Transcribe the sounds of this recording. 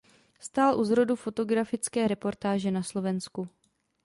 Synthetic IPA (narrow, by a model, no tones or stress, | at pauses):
st̪aːlʔuzɾo̞dufo̞t̪o̞ɡɾafɪt͡skɛːɾɛpo̞ɾt̪aːʒɛnaslo̞vɛnsku